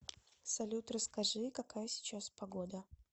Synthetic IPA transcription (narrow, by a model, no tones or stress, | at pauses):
sɐlʲut̪rəskɐʐɨkɐkajəsʲɪ̥t͡ɕaspɐɡod̪ə